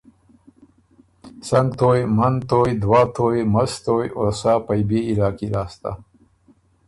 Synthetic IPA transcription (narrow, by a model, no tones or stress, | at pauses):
sɐŋɡt̪oːjmɐnt̪oːjd̪waːt̪ʰoːjmɐst̪oːjosapajbeilɑːkiɾaːst̪a̰